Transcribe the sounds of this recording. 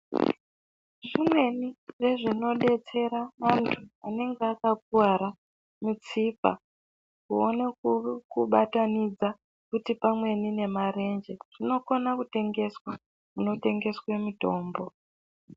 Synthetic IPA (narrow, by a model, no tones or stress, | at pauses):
ʐimwe̞niʐe̞ʐino̞ɗe̞t͡se̞ɾamantʰuane̞ŋɡeakak̚uaɾa | mit͡sipa̰ | kuo̰nekuɓatanid͡za | kutipamwe̞nine̞mare̞nd͡ʒe̞ʐ̥ino̞ko̞nakute̞ŋɡe̞swa | kuno̞te̞ŋɡe̞swe̞mito̞ːmbo̞